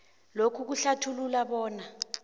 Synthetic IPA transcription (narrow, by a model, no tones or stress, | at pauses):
lokʰuk̬uɬatʰululaɓɔːna